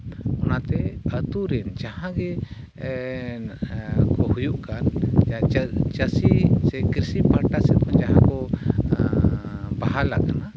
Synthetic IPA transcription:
ɔnat̪ɛət̪uɾɛnd͡ʒahãɡɛ | kɔhujuʔkan | t͡ʃəsisɛkiɾsipaɾʈasɛt̪̚kɔnd͡ʒaɦãkɔ | baɦala̰kana

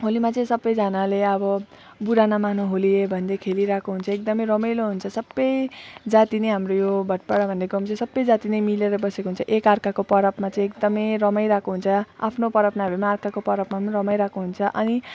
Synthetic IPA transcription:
ɦolimat͡sʌĩsʌbːʌjd͡zʌnaleʌbʌ | buɾanamanʌɦoliebʱʌnd̪ekʰeliɾakoɦunt͡sʰʌekd̪ʌmʌjɾʌmʌjloɦunt͡sʰʌsʌbːʌjd͡zat̪inejɦamrojobʱʌʈ̚paɽabʱʌnd̪eɡʌmt͡sʌĩsʌbːʌjd͡zat̪inʌjmileɾʌbʌsekoɦunt͡sʰʌʔekarkakopʌɾʌpmat͡sʌĩekd̪ʌmʌjɾʌmʌjɾakoɦunt͡sʰʌa̰pʰnopʌɾʌpnaɦʌbemaːrkakopʌɾʌpmanrʌmajɾakoɦunt͡sʰʌʔʌni

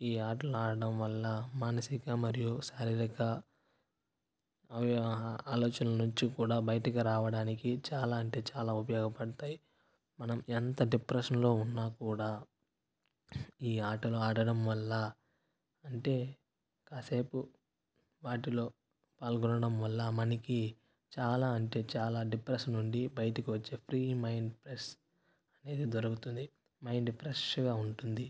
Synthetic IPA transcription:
iːaːʈɐluaːɽɐɽɐmʋɐlːɐmaːnɐsikɐmɐɾijusaːɾiɾɐkɐ | ɐʋaːloːt͡ʃɐnɐɐnuɲt͡ʃikuːɽaːbɐjɐʈɐkiɾaːʋɐɽaːnikit͡ʃaːlaːɐɳʈe̞ːt͡ʃaːlaːupɐjɔːɡɐpɐɽɐt̪aːji | mɐnɐment̪ɐɖipɾeʂɐnlo̞ːunːaːkuːɽaː | iːaːʈɐloːaːɽɐɽɐmʋɐlːɐ | ɐɳʈe̞ː | kaːseːpu | ʋaːʈ̬ilo̞ː | paːlɡɔnɐɽɐmʋɐlːɐmɐniki | t͡ʃaːlaːɐɳʈe̞ːt͡ʃaːlaːɖipɾeʃɐnːuɳɖibɐjɐʈɐkiʋɐt͡ʃːe̞ːpʰɾiːmɐjɳɖpɾes | ɐne̞ːd̪id̪oɾɐkut̪und̪i | mɐjɳɖpʰɾeʂɡaːuɳʈund̪i

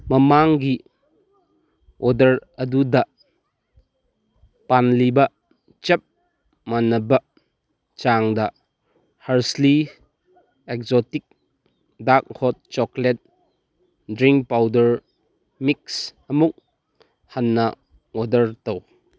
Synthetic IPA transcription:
mɐmaŋɡi | ɔdɐɾɐdudɐ | panlibɐ | t͡ʃɐp̚ | manːɐbɐ | t͡ʃaŋdɐ | hɐɾsli | ek̚zɔtik̚ | dak̚hɔt̚t͡ʃɔklet̚ | dɾiŋk̚pawdɐɾ | miksɐmuk̚ | hanːɐ | ɔdɐɾtɐw

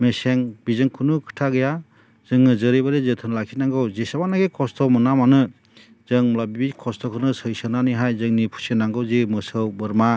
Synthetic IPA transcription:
meseŋbizɯŋkʰunukʰɯ̥tʰaɡɯja | z̥ɯŋnɯzɯɾibaɾizɯtʰɯnlakʰinaŋɡɯwzesabanaɡikʰɔstʰɔmɯnamanɯ | zɯŋmlabibikʰɔstɔkʰɯnɯsɯjsɯnaniɦajzɯŋnipʰu̥senaŋɡɯwzimɯsɯwbɯɾma

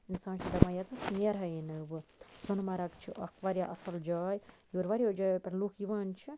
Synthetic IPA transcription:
insãːnt͡ʃʰid̪ɐmãjɐt̪ɨsnjɐɾɦɐjinɨbɨsɔnmɐɾɐkt͡ʃʰiʔɐ̰kʋɐːɾjaʔɐsɐld͡ʒaːjjoːɾʋaɾʲijaːd͡ʒaːpɐɾluːkʰjiʋaːnt͡ʃʰi

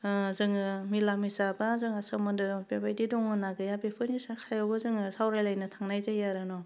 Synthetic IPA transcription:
zɯŋɯmilamisabazɯŋasɯmɯdɯbebajdidɔŋɯnaɡɯjabepʰɯnisakʰajawɡɯzɯŋɯsawɾajlajnɯtʰaŋnajzajaɾɯnɔ

